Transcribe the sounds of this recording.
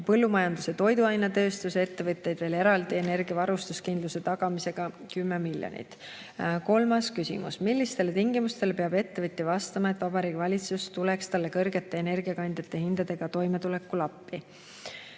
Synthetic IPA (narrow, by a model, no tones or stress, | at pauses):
pɤ̞lːumɑjɑnd̪use̞t̪o̞jd̪uɑjnɑt̪ø̞ːst̪use̞t̪ːe̞vɤt̪ʲːˑe̞jd̪̥ve̞ːle̞ɾɑld̪ie̞ne̞rɡiɑvɑɾust̪uskind̪luse̞t̪ɑɡ̥ɑmise̞ɡ̥ɑkymːe̞milʲjo̰nʲḭt̪ːˑ | ko̞lmɑskysḭmṵsmilʲːist̪e̞let̪iŋɡimust̪e̞lepe̞ɑbe̞t̪ːe̞vɤt̪ʲːˑivɑst̪ɑmɑe̞t̪ːvɑbɑɾiːɡ̥ivɑlʲit̪sust̪ule̞kst̪ɑlːe̞kɤ̞rɡ̥e̞t̪ːˑe̞ːne̞rɡiɑkɑnʲd̪̥ʲjɑt̪ːˑe̞hind̪̥ɑd̪̥e̞ɡ̥ɑt̪o̞jme̞t̪ule̞kːˑulɑpˑːi